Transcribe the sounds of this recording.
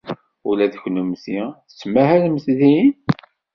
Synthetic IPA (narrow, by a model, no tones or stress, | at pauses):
ulæðəçnumθiθəsːmːæhælməθðin